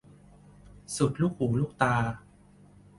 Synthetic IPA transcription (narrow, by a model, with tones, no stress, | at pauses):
su˨˩t̪̚luː˥˩k̚huː˩˦luː˥˩k̚t̪aː˧